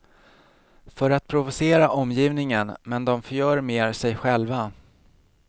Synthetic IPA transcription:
fœɾat̪̚pʰɾʊvʊseːɾaʔɔmːjiːvnɪŋənmɛnd̪ɔmfœɾjœːɾmeːɾsɛjɧɛlva

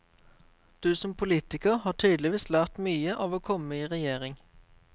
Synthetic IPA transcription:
d̪̥ʉːsɔmpʰʊliːt̪ɪkəʁhɑːʁʈʰyːd̪lɪʋiːslæːʁt̪myːəʔɑːʋoːkʰɔməiːʁɛjeːʁɪŋ

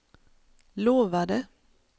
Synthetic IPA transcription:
loːʋæd̪eː

